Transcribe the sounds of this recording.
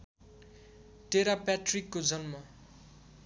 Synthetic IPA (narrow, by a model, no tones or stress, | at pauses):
ʈeɾapaʈrikːod͡zʌnmʌ